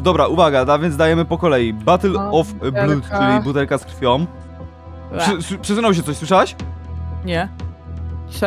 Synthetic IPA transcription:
d̪ɔbɾaʔuvaɡad̪avʲjɛnd̪d̪ajɛmɘpɔkɔlɛjibat̪ɛlɔfblut̪t͡ʂɨlʲibut̪ɛlkaskɾfʲjɔm | pʂɘspʂɨsunawɕ̬ɛt̪ɔɕswɘʂawaɕ | ɲɛ

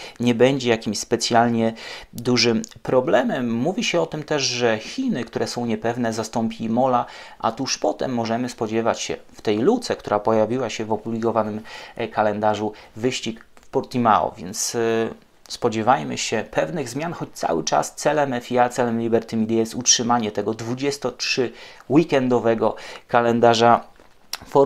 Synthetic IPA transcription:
ɲɛbɛɲd͡ʑɛjakʲimɕspɛt̪sʲjalɲɛd̪uʐɘmpɾɔblɛmɛmːuvʲiɕɛɔt̪ɘmt̪ɛʐʐɛxʲinɘkt̪uɾɛsɔ̃w̃ɲɛpɛvnɛzast̪ɔmpʲimɔlaʔa̰t̪uʂpɔt̪ɛ̰mːɔʐɛmɘspɔd͡ʑɛvat͡ɕɕɛ̰ft̪ɛjlut̪sɛk̚t̪uɾʔapɔjavʲiwaɕɛvɔpublʲikɔvanɘmkalɛnd̪aʐuvɘɕt͡ɕikfpɔɾt̪imaɔ̰vʲjɛ̰nt̪s | spɔd͡ʑɛvajmɘ̰ɕɛpʰɛvnɘɣzmʲjanxɔt͡ɕt̪sa̰wɘ̰t͡ʂa̰st̪sɛlɛmɛfʲiat̪sɛlɛmlʲibɛɾt̪ɘmʲid̪jajɛst̪utʂɘmaɲɛt̪ɛɡɔd̪vud͡ʑɛst̪ɔtʂɘwikɛnd̪ɔvɛɡɔkalɛnd̪aʐa | fɔ

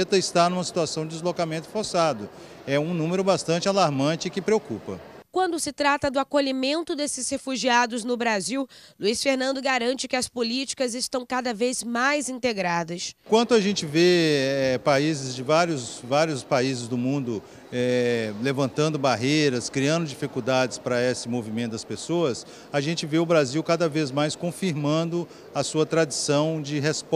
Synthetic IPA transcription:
t̪ɐɪst̪anũmɐsi̥t̪uasɐ̃w̃d͡ʒɪd̪ɪzlokamẽnt̪ʊfoɾsad̪ʊ | ɛũnũmeɾʊbast̪ɐ̃nt͡ʃɪalaɾmɐ̃t͡ʃɪɪkɪpɾeokupɐ̰kwɐ̃nd̪ʊsɪt̪ɾat̪ɐd̪ʊakoʎimẽnt̪ʊd̪esɪshefuʒiad̪ʊznʊbɾaziwluisfeɾnɐ̃nd̪ʊɡaɾɐ̃nt͡ʃɪkɪɐspolit͡ʃi̥kɐzɪst̪ɐ̃w̃kad̪ɐvezmajzĩnt̪eɡɾad̪ɐskwɐ̃nt̪ʊaʒẽnt͡ʃɪveɛpaizɪzd͡ʒɪvaɾjʊzvaɾjʊspaizɪzd̪ʊmũnd̪ʊ | ɛlevɐ̃nt̪ɐ̃nd̪ʊbaɦejɾɐskɾiɐ̃nd̪ʊd͡ʒifikud̪ad͡ʒɪspɾɐesɪmovimẽt̪ʊd̪ɐspesoɐs | aʒẽnt͡ʃɪveʊbɾaziwkad̪ɐvezmajskõfiɾmɐ̃nd̪ʊ | ɐsuɐt̪ɾad͡ʒisɐ̃w̃d͡ʒɪɦesp

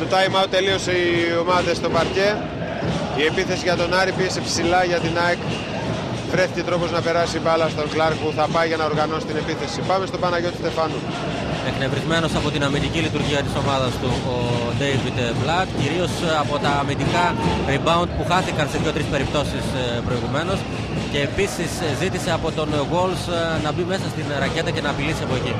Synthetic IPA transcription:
not̪ɐimɐut̪e̞lio̞sio̞mɐðest̪o̞bɐɾce̞ | ie̞piθe̞siʝɐt̪o̞nɐɾipie̞sepsilɐʝɐt̪inɐek | vɾe̞ficet̪ɾo̞po̞znɐpe̞ɾɐsibɐlɐsit̪o̞ŋklɐɾkpuθɐpɐjʝɐnɐo̞ɾɣɐno̞si̥t̪ine̞piθe̞sipɐme̞st̪o̞pɐnɐʝo̞t̪u̥st̪e̞fɐnu | ekne̞vɾizme̞no̞sɐpo̞t̪inɐmind̪icilit̪uɾʝiɐt̪i̥so̞mɐðɐst̪uod̪ejvid̪blɐt̪ciɾio̞sɐpot̪ɐːmind̪ikɐɾibɐund̪̚puxɐθikɐnseðʝo̞t̪ɾispe̞ɾip̚t̪o̞sispɾo̞iɣume̞no̞s | ce̞ːpisiszit̪ise̞ɐpo̞t̪o̞nɣo̞lsnɐbime̞sɐst̪inɾɐce̞t̪ɐce̞nɐːpilisiɐpoeci

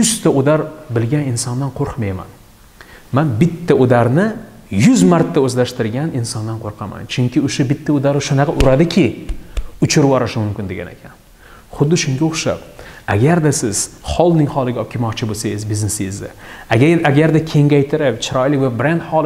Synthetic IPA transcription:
jʊst̪aʊd̪aɾbɪlɡʲanɪnsɒnd̪anqʰoɾqʰmajma̰n | manbɪt̪ʰːaʊd̪aɾnɪ | jʊzmaɾt̪ʰːaɵzlaʃt̪ɪɾɡʲanɪnsɒnd̪anqʰoɾqʰɑma̰nt͡ʃʰʊŋkʲʰɪʊʃabɪt̪ʰːaʊd̪aɾɪʃʊnɑqʰɑʔʊɾad̪ɪkʲʰɪ | ʊt͡ʃʰʊɾvɒɾɪʃɪmʊmkʲɪnd̪e̞ɡʲa̰nekʲʰan | χʊd̪ːɪʃʊŋɡʲaoχʃa̰p̚aɡʲaɾd̪asɪz̥χɒlˠnɪŋhɒlˠɪɡʲaɒp̚kʲɪmɒqt͡ʃʰɪbosajɪzbɪznesɪjɪzd̪a | aɡʲaɾd̪akʲʰe̞ŋɡʲajt̪ʰɪɾɪpt͡ʃʰɪɾɒjlɪkʲbʊbɾend̪χɒlˠɪ

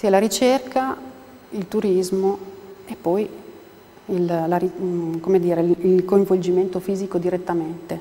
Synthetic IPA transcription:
silaɾit͡ʃerkʰa | ilt̪uɾizmoepːɔj | illaɾikomed̪iːɾeilkoiɱvold͡ʒiment̪ofiːzikod̪iɾet̪ːament̪e

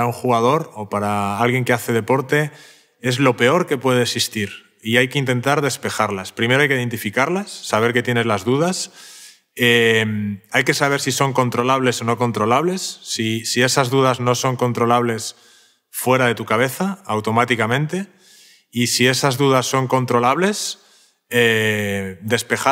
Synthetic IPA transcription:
auŋxuɣað̞o̞ɾo̞paɾaalɣje̞ŋkeaθe̞ðe̞po̞ɾt̪e̞ | e̞zlo̞pe̞o̞ɾke̞pwe̞ð̞eːksist̪iɾ | iajke̞int̪e̞nt̪aɾðe̞spe̞xaɾlaspɾime̞ɾo̞ajkeiðe̞nt̪ifikaɾlasːaβ̞e̞ɾke̞t̪je̞ne̞zlazðuð̞as | emajke̞saβe̞ɾsiso̞ŋko̞nt̪ɾo̞laβ̞le̞so̞no̞ko̞nt̪ɾo̞laβle̞sːisie̞sazðuð̞azno̞so̞ŋkont̪ɾo̞laβ̞le̞s | fwe̞ɾað̞e̞t̪ukaβ̞e̞θaːwt̪o̞mat̪ikamẽ̞nt̪e̞ | isie̞sazðuð̞asːo̞ŋko̞nt̪ɾo̞laβ̞le̞s | e | d̪e̞spe̞xa

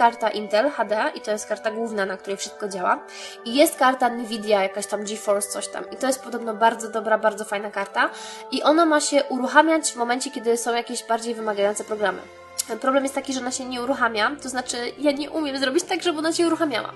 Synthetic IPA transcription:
kaɾt̪aʔint̪ɛlxad̪ɛʔit̪ɔjɛst̪̚kaɾt̪aɡwuvnanak̚t̪uɾɛjfʂɘst̪̚kɔd͡ʑawa̰ | ijɛst̪kaɾt̪anivʲid̪ʲjajakaɕt̪amd͡ʒifɔlst̪sɔɕt̪a̰mit̪ɔjɛst̪̚pɔd̪ɔbnɔbaɾd̪zɔd̪ɔbɾabaɾd̪zɔfajnakaɾt̪aiʔɔnamaɕɛʔuɾuxamʲjat͡ɕvmɔmɛnt͡ɕɛkʲɛd̪ɘsɔ̃w̃jakʲeʑbaɾd͡ʑejvɘmaɡajɔnt̪sɛpɾɔɡɾamɘ̰ | pɾɔblɛmjɛst̪ːakʲiʐɛɔnaɕɛɲɛuɾuxamʲjat̪ɔznat͡ʂɘjaɲɛʔumʲjɛmzɾɔbʲit͡ɕt̪aɡʐɛbɘɔnaɕɛuɾuxamʲja̰wa̰

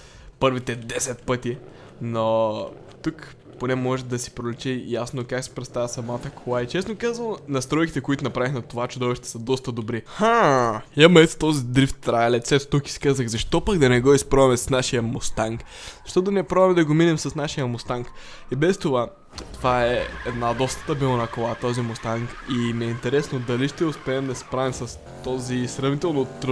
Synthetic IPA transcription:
pɤɾvit̪ɛd̪ɛsɛt̪̚pɤt̪i | no | t̪uk | ponɛmɔʒɛd̪ɐsi̥pɾolɛt͡ʃ̪ɛjasnokaksi̥pɾɛt̪st̪avɐsɐmat̪əkʰolˠajt͡ʃɛsnokazvɐnnɐst̪ɾɔjkit̪ɛkoit̪ʊnɐpɾavixnɐt̪ovat͡ʃʊd̪ɔvʃt̪it̪ɛ̥sɐd̪ɔst̪ɐd̪obɾixa | ɐmɐɛt̪t̪ɔzid̪ɾift̪ːɾajɐlɛt̪sɛt̪t̪uki̥si̥kazəxzɐʃt̪ɔpɐɡd̪ɐnɛɡɔispɾɔvɐmɛsɐ̥snaʃijəmost̪aŋk | zɐʃt̪ɔt̪ʊnɛɛpɾɔvmɛd̪ɐɡominɛmsɐsnaʃijəmost̪aŋk | ibɛst̪ova | t̪ovaɛɛd̪nad̪ɔst̪ə̥t̪əbilˠnakolˠat̪ɔzimost̪aŋkimiɛint̪ɛɾɛsnod̪ɐliʃt̪ɛʊspɛːmd̪ɐspɾavimsɐs | t̪ɔzisɾɐvnit̪ɛlˠnot̪ɾ

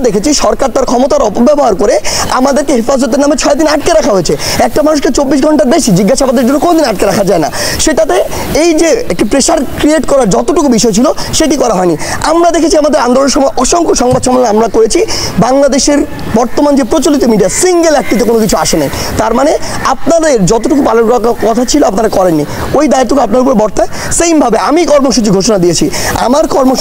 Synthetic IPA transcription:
d̪ekʰet͡ɕʰiʃɔɾkaɾt̪aɾkʰɔmot̪aɾɔpobɛboɦaɾkoɾeamad̪eɾkeɦefazot̪̬eɾnamet͡ɕʰɔed̪inaʈkeɾakʰaɦoet͡ɕʰeɛk̚ʈamanuʃket͡ɕobːiʃɡʱɔɳʈaɾbeʃid͡ʑiɡːaʃabad̪eɾd͡ʑonːokonod̪inaʈ̚keɾakʰad͡ʑaena̰ʃeʈat̪e | ejd͡ʑeek̚ʈipɾeʃaɾkɾieʈkɔɾaɾd͡ʑɔt̪oʈukubiʃɔet͡ɕʰiloʃeʈ̬ikɔɾaɦɔeniamɾad̪ekʰet͡ɕʰiamad̪eɾand̪oloneɾʃɔmɔeʔɔʃoŋkoʃɔŋbad̪ʃɔmelnaamɾakoɾet͡ɕʰibaŋlad̪eʃeɾ | bɔɾt̪omand͡ʑepɾot͡ɕolit̪omiɖiasiŋɡelɛk̚ʈit̪̬ekonokit͡ɕʰuaʃenajt̪aɾmane | ap̚nad̪eɾd͡ʑɔt̪oʈukupalonkakakɔt̪ʰat͡ɕʰiloapnaɾakɔɾenːi | ojd̪aeɾt̪ːukeapnaɾupoɾebɔɾt̪ae | sejmbʱabeamikɔɾmoʃut͡ɕiɡʱoʃonad̪iet͡ɕʰia̰maɾkɔɾmo

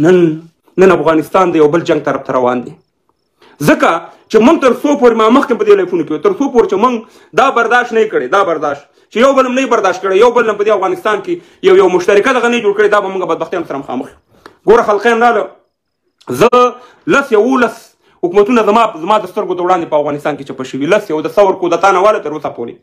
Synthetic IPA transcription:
nənː | ənafɣɑnɪst̪ɑnd̪əjawbəld͡ʒaŋɡ̚t̪aɾaft̪aɾawɑ̰nd̪e | zəkat͡ʃemʊŋɡ̚t̪əɾsopoɾemɑməxk̪ɪmpəd̪elafunokewet̪əɾsopoɾet͡ʃemʊŋɡ | d̪ɑbaɾd̪ɑʃt̪najikəɽed̪ɑbaɾd̪ɑʃt̪ | t͡ʃejawbəlamnajibaɾd̪ɑʃt̪̚kəɽejawbəlːampəd̪eafɣɑnɪst̪ɑnke | jawjawmʊʃt̪aɾɪkad̪aɣaned͡ʒoɽkəɽed̪ɑbamuŋɡabad̪baxt̪jɑnosaɾaməxɑ̰məxju | ɡoɾaxalqenɾɑlə | zə | lasjawulas | hʊkmat̪unazmɑzmɑd̪əst̪əɾɡod̪əwɽɑnd̪epəafɣɑnɪst̪ɑnket͡ʃapaʃəwilasjawd̪asawəɾkod̪at̪ɑnawɑlat̪əɾosapo̰ɾḛ

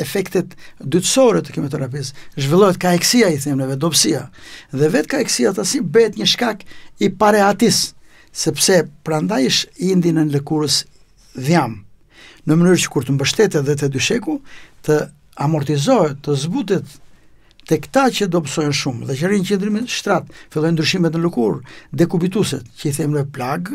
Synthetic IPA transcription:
ɛfɛkt̪ɛt̪d̪yt̪sɔɾɛt̪ə̥kimɔt̪ɛɾap̬isʒvilˠɔɦɛt̪̚kaɛksiaiθɛmnɛvɛd̪ɔbsiaðɛvɛt̪kaɛksiat̪asibɛɦɛt̪ɲəʃkakipaɾɛat̪isː | ɛpsɛpəɾand̪ajʃind̪inɛnləkuɾəs | ðjam | nəmənyɾcə̥kuɾt̪əmbəʃt̪ɛt̪ɛðɛt̪̬ɛd̪yʃɛkut̪ə | amɔɾt̪izɔɦɛt̪ːəzbut̪̬ɛt̪ː | ɛkt̪acəd̪ɔbsɔjɔnʃumðɛcəɾincɛnd̪ɾimitʃt̪ɾat̪filˠɔjnd̪ɾyʃimɛt̪̬nəlukuɾd̪ɛkubit̪usɛt̪cəiθɛmɾɔplaɡ

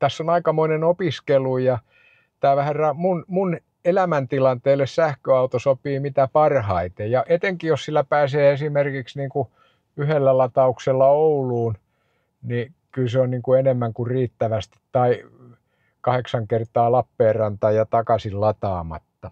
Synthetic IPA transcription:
t̪æsːonɑikɑmoinenopiskelujɑ | t̪æːʋæhærrɑmunmun | elæmænt̪ilɑnt̪eːlːessæhkøɑut̪osopiːmit̪æpɑrhɑit̪ejjɑʔet̪eŋkijossilːæpæːseːesimerkiksniːŋku | yhelːælɑt̪ɑukselːɑouluːn | ni | kylseonniːŋkuenemːæŋkurriːt̪ːæʋæst̪i̥t̪tɑi | kɑheksɑŋkert̪ɑːlɑpːeːrrɑnt̪ɑːjɑt̪ɑkɑsillɑt̪ɑːmɑ̰t̪ːɑ

